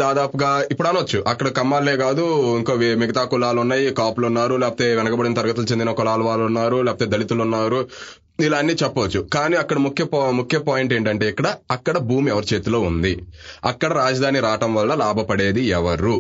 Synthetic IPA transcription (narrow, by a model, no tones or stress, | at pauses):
d̪aːd̪aːpuɡaːipːuɽɐnɐʋɐt͡ʃːuʔɐkːɐɽɐkɐmːaːlːeːɡaːd̪uiŋkoːʋmiɡɐt̪aːkulaːlunːaːjikaːpulunːaːɾulɛːpɐt̪e̞ːʋɛnɐkɐbɐɽinɐt̪ɐɾɡɐt̪ulut͡ʃend̪inɐkɔlaːlɐʋaːlunːaːɾulɛːpɐt̪eːd̪ɐlit̪ulunːaːɾu | ilaːnːiːt͡ʃɛpːɐɐt͡ʃːukaːniːɐkːɐɽɐmukʰjɐpmukʰjɐpaːjiɳʈe̞ːɳʈɐɳʈe̞ːikːɐɽɐːkːɐɽɐbʱuːmɛʋɐɾut͡ʃe̞ːt̪ulo̞ːund̪iɐkːɐɽɐɾaːd͡ʒɐd̪ʱaːniɾaːʈɐmʋɐlːɐlaːbʱɐpɐɽe̞ːd̪iɛʋɐɾu